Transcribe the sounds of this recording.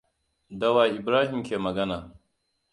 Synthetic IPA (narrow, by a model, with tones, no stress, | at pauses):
dɐ˦waː˨ʔɪ˨bɾaː˦ɦi˨mkʲeː˨mɐ˨ɡɐ˦naː˨